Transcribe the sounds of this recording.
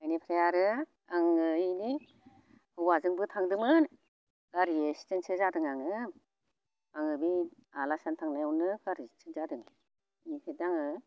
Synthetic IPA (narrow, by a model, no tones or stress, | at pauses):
ajnipʰɾajaɾɯ | aŋɯni | hɯwazɯŋbɯtʰaŋdɯmɯn | kaɾiesi̥tɯnsʰɯzadɯŋaŋɯ | aŋɯbialasantʰaŋnajawnɯɡaɾit͡ʃʰɯnzadɯŋ | ipʰedaŋɯ